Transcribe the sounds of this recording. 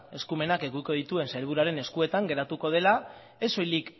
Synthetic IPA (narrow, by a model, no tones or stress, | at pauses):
e̞skume̞nake̞ɣuiko̞ð̞it̪ue̞nsajlβ̞uɾaɾe̞ne̞skue̞t̪aŋɡe̞ɾat̪uko̞ð̞e̞la | e̞so̞jlik